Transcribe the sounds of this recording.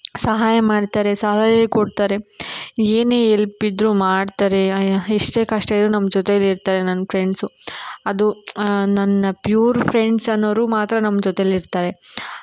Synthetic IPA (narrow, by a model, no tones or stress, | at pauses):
sɐɦaːjɐmaːɖt̪aːɾe̞sɐɦaːjɐkoɽt̪aːɾe̞eːneːelpid̪ɾumaːɖt̪aːɾe̞iʂʈe̞ːkɐʂʈɐɐɾunɐmːɐd͡ʒot̪ejɐlːiɾt̪aːɾe̞nɐnːɐpʰɾe̞ɳɖsuɐd̪unɐnːɐpjuːɾpʰɾe̞ɳɖsɐnːɐʋɾuːmaːt̪ɾɐnɐmːɐd͡ʒot̪ejɐlːiɾt̪aːɾe̞